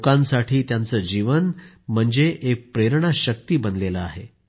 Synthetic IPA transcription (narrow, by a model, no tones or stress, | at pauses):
kãnsaʈʰiːt̪jant͡səd͡ʑiʋən | m̤əɳd͡zeʔek̚pɾeɾɳ̃aɕək̚t̪iːbənleləa̰ɦe